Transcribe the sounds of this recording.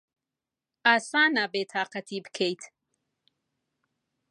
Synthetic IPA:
aːsaːnabeːt̪ʰaːqat̪ʰiːbkʰejt̪ʰ

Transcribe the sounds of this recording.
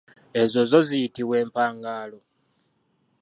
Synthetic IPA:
e̞zo̞zo̞zijitiβwe̞ːmpaːŋɡaːlo̞

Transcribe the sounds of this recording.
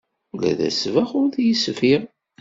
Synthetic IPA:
læ̰ðæ̰svæχʊɾθjəsfiɾ

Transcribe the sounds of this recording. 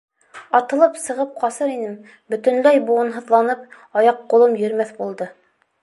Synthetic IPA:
ɑt̪ɤ̆lˠɤpsɤ̆ʁɤp̚qɑsɤɾinɘm | bɵ̆t̪ɵ̆nlæjbuɤ̆nɦɤ̆ðlˠɑnɤp̚ | ɑjɑqːŏlˠɤmjɵ̆ɾmæθbulˠd̪ɤ

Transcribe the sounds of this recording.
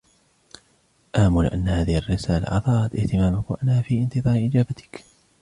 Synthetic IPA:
ʔaːmʊlʔanːahaːðɪharːɪsaːla̰ʔʕɑ̰ðˤɑːɾˤɑt̪ʔɪht̪ɪmaːmʊkwaʔanːhaːfiːʔɪnt̪ɨðˤɑːɾʔɪd͡ʒaːbat̪ɪ̥k

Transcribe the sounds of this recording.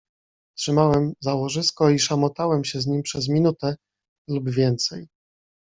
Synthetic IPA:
tʂɘmawɛmzawɔʐɘskɔiʂamɔt̪awɛmɕɛzɲimpʂɛɛzmʲinut̪ɛ | lubvʲjɛnt̪sɛj

